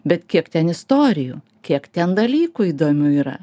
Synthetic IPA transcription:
bʲɛt̪kʲiɛkt̪ʲɛnɪst̪oːɾʲɪjuː | kʲiɛkt̪ʲɛnd̪ɐlʲiːkʊiːd̪oːmʲuːiːɾɐ̰

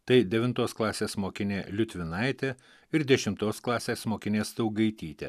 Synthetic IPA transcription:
t̪ɐɪd̪ʲɛʋʲɪnt̪oːsklˠɑːsʲeːsmoːkʲɪnʲeːlʲʊt̪ʲʋʲɪnɐɪt̪ʲeː | ɪɾd̪ʲɛʃʲɪmt̪oːsklˠɑːsʲeːsmoːkʲɪnʲeːst̪ɐʊɡɐɪt̪ʲiːt̪ʲḛ

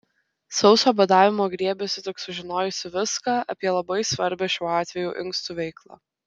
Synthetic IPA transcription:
sɒʊsoːbʲɛd̪ɑːʋʲɪmoːɡɾʲiɛbʲɛsʲɪt̪ʲɪksʊʒʲɪnoːjʊsʲɪʋʲɪskɑːʔɐpʲiɛlˠɐbɐɪsʋɐɾʲbʲɛʃʲuːɑːt̪ʲʋʲɛjuːʔɪŋkst̪uːʋʲɛɪklˠɑ̰

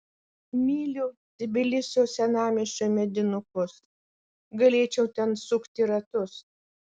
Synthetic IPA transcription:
mʲiːlʲʊ | d̪ʲɪbʲɪlʲɪsʲoːsʲɛnɑːmʲɪʃʲt͡ʃʲoːmʲɛd̪ʲɪnʊkʊs | ɡɐlʲeːt͡ʃʲɛʊt̪ʲɛnsʊkt̪ʲɪɾɐt̪ʊs

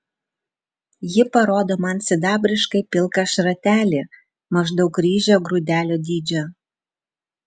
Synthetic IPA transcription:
jɪpɐɾoːd̪oːmɐnsʲɪd̪ɑːbʲɾʲɪʃkɐɪpʲɪlˠkɐʃɾɐt̪ʲæːlʲiː | mɐʒd̪ɒʊkɾʲiːʒʲoɡɾud̪ʲæːlʲoːd̪ʲiːd͡ʒʲo

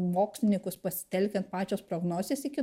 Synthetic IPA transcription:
moːksʲlʲɪnʲɪŋkʊspɐsʲɪ̥t̪ʲɛlʲkʲɛnt̪pɑːt͡ʃʲoːspɾoːɡnoːzʲeːsɪkʲɪ

